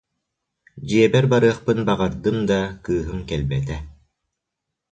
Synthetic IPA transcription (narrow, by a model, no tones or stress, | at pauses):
d͡ʑiɛbɛɾbaɾɯɐχpɯnbaʁaɾd̪ɯmd̪akɯːɦɯmkɛlʲbɛt̪ɛ